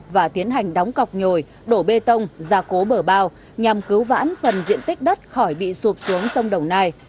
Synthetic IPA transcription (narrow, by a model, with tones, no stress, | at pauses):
vaː˨˩t̪i˨˦ənɦa˨˩jŋ̟ɗɔ˨˦wŋ͡mka˨˩wk͡p̚ɲo˨˩j | ɗo˧˩ɓe˧t̪ə˧wŋ͡mzaː˨˩ko˨˦ɓəː˧˩ɓaː˧w | ɲa˨˩mkɨ˨˦wva̰ː˧˥nfə˨˩nzḭ˧˨ənt̪ï˦˥k̟̚ɗə˦˥t̚xɔ˧˩jɓḭ˧˨su˨˩p̚su˨˦əŋsə˧wŋ͡mɗə˨˩wŋ͡mnaː˧j